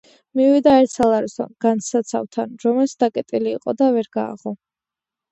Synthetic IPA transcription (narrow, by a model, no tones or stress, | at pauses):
mivid̪aɛɾt̪ʰsalˠaɾisɔ̰nɡ̥ansat̪sʰa̰vt̪ʰanɾɔmɛlsd̪akʼɛt̪ʼiliːqʼɔd̪avɛɾɡa̰ːʁɔ